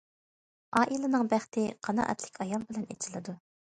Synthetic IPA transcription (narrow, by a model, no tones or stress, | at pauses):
ɑːʔilˠɨnɨŋbæχt̪ʰɪqʰɑnɑ̰ʔɛ̰t̪lɪkʲʰɑjɑlˠbɪlɛnet͡ʃʰilˠɨd̪u